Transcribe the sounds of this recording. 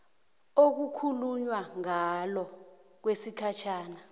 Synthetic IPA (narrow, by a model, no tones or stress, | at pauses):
ok̬ukʰuluɲwaŋalɔ | k̬wesikʰat͡ʃʰaːna